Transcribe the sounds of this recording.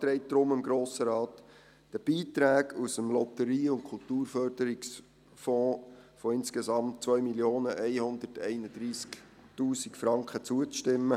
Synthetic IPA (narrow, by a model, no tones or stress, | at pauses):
t̪ɾɛɪt̚d̪̥ɾʊmɪmɡɾoːsəɾɑːt̪ | d̥əb̥iːt̪ɾæːɡusəmlɔt̪əɾiːʊntkʰʊltuːrfœɾd̥əɾɪks | fɔ̃ːfɔɪnskesɑmtt͡sʋœʏmiljoːnəʔɛɪhʊnd̪ətɛɪnəd̥ɾiːsk | tuːsikfɾɑŋkχət͡suət͡sʃtɪmːə